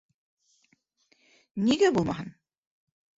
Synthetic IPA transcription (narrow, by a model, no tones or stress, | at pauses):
niɡæbulˠmɑɦɤn